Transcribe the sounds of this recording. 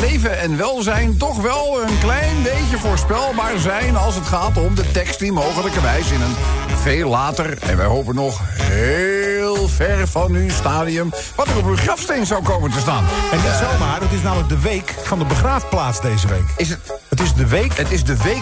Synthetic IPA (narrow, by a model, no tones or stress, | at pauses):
lejvəɛnʋɛlˠzɛjntɔχʋɛlˠənklɛjnbejcəvoːɹspɛlˠbaːɹzɛjnɑlˠsətχaːtɔmdətɛkstəmowχələkəɹʋɛjzɪnənveːlaːtərɛ̰nʋɛjɦowpənɔχɦelˠvɛrvɑnystaːdiəm | ʋɑtərɔpyχrɑfstejnzawkowməntəstaːnɛndɪtsɛlmaːɹdɑtɪsnaːmələɡ̚dəʋejkfɑndəbəχraːfplaːtsdejzəʋḛjkɪsətɪzdəʋekətɪzdəʋe